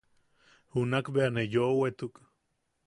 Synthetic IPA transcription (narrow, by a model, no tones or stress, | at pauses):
hunakbeanejoʔwet̪uk